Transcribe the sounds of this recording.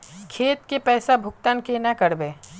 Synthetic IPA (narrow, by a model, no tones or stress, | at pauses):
kʰeːt̪̚kepɛːsabʱʊkt̪ankenakəɾbeː